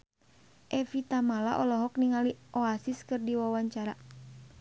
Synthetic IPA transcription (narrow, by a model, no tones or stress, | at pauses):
ʔɛfit̪amala̰ʔɔlɔɦɔkniŋaliʔɔasiskɨrdiwawaɲt͡ʃaɾa